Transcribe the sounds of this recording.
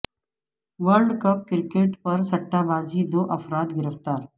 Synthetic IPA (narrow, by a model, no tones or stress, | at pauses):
ʋəɾɖkɐp̚kɪɾkeːʈpɐɾsɐʈːaːbaːzid̪oːʔɐfɾaːd̪ɡɪɾəft̪aːɾ